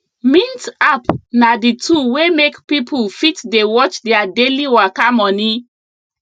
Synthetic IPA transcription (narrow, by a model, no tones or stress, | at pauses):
mĩntapnadituwemekpipʰulfitdewɔt͡ʃdɛadeliwakamɔni